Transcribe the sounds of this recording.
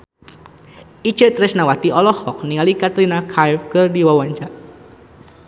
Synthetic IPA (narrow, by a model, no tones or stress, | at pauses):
i̥t͡ʃət̪ɾɛsnawat̪iɔlɔhɔk̚niŋalikat̪ɾinakʰajfkərdiwawaɲt͡ʃaʔ